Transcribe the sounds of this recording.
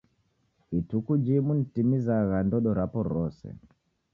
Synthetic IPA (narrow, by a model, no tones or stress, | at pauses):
itukud͡ʒimunitimizaɣandɔɗɔɾapɔɾɔsɛ̰